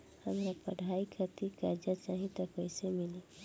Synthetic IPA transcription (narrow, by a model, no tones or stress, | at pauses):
həmɾapɐɽ̤ʱaːikʰəɾt̪ikaɾd͡ʒat͡ʃaːɦĩt̪ɐkɛɪsemɪli